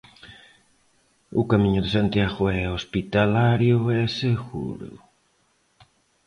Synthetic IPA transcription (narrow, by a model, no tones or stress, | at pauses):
ʊkamĩɲʊðɪsant̪jaɣʊɛospit̪alaɾjʊɛseɣṵɾʊ̰